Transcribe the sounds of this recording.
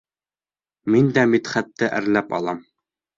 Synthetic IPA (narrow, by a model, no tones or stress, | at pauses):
mind̪æmit̪χæt̪ːɘʔæ̰ɾlæpɑ̰lˠɑm